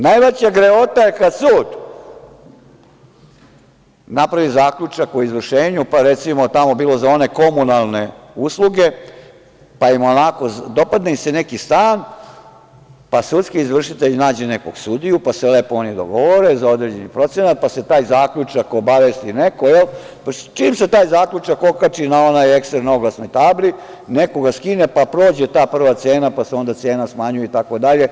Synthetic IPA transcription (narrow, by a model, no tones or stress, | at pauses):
najʋat͡ɕaɡɾeot̪ajekasuːd̪ | napɾaʋizaːkʎut͡ʃakoizʋr̩ʃeːɲupaɾet̪simo̞t̪amo̞biːlo̞zao̞ne̞ko̞munalˠne̞ | uslˠuɡe̞ | paimonako̞d̪o̞pad̪neisenekist̪aːn | pasut̪skiːzʋr̩ʂit̪eʎnaːd͡ʑene̞ko̞ɡsud̪ijupasele̞ːpoonid̪o̰ɡo̞ʋo̞ɾezao̞d̪ɾeːd͡ʑe̞nipɾo̞t̪se̞nat̪̚pase̞t̪aːjzaːkʎut͡ʂakobaʋest̪ineko̞jel | pt͡ʃiːmse̞t̪aːjzaːkʎut͡ʃakokat͡ʃinao̞najekst̪ɾenoɡlˠasno̞jt̪aːbli | neko̞ɡaskinepapɾo̞ːd͡ʑe̞t̪aːpr̩ʋat̪seːnapaseo̞nd̪at̪se̞ːnasmaɲujeit̪ako̞d̪aʎe̞